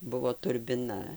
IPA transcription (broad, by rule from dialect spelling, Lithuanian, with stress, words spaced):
ˈbʊʋoː tʊrʲbʲɪˈnɐ